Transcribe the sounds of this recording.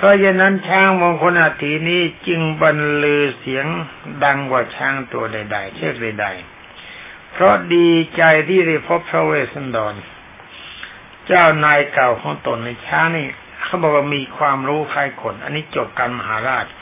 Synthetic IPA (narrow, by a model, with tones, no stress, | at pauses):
pʰɾɔ˦˥jaː˧˩nːa˦˥˨nt͡ɕʰaː˦˥˩ŋmɔː˧ŋkʰo˧˥nʔaː˨˩t̪ʰiː˨˦niː˦˥˩t͡ɕɯ˧ŋba˧nlɯː˧si˩˦əŋda˧ŋwaː˧˩t͡ɕʰaː˦˧˥ŋt̪u˧ɐda˧˩jda˨˩jt͡ɕʰɯ˥˩k̚da˨˩jda˨˩j | pʰɾɔ˦˥diː˧t͡ɕa˧jt̪ʰiː˧˥˩da˧˩jpʰo˦˥pʰːɾa˧weː˧˩sa˧˥˨ndɔː˨˩n | t͡ɕaː˧˥˩wnaː˧jka˨˩wkʰɔː˨˦ŋt̪o˨˩nːa˧˩jt͡ɕʰaː˦˥˩ŋniː˧˩ | kʰa˧˩bɔː˨˩k̚waː˧˩miː˧kʰwaː˧mɾuː˦˥fʰaː˧˩jkʰo˨˩nʔa̰˧nːiː˦˥˩t͡ɕo˨˩p̚ka˧nma˧haː˨˦ɾaː˧˩t̪̚